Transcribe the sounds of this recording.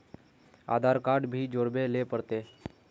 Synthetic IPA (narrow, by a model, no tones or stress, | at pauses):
a̰d̪ʱaɾkaɖbʱiːd͡ʒoɾbelepəɽt̪e